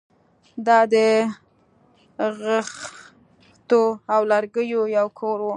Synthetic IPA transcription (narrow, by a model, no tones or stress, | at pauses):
d̪ɑd̪ə | ɣəx | t̪oawlaɾɡəjojawkʰoɾwo